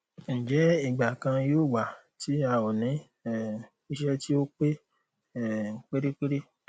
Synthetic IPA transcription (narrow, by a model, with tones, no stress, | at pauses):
n̩˨d͡ʒɛ˨˦i˦˨ɡ͡ba˨kã˧joː˦˨wa˨ | ti˦a˧o˨nĩ˨˦ | ɛ˦˨ | i˧ʃɛ˦ti˦o˦k͡pe˦ | ɛ˦˨ŋ̩˨k͡pe˦ɾe˦k͡pe˦ɾe˦